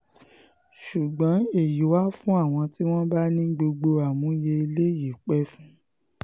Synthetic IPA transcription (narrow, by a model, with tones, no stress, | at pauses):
ʃu˨ɡ͡bɔ̃˨˦e˦˨ji˨˦wa˦fũ˦a˦˨w̃ɔ̃˧ti˦w̃ɔ̃˦ba˦nĩ˦ɡ͡bo˧ɡ͡bo˧a˨mũ˨˦je˧i˧le˦ji˨k͡pɛ˦fũ˦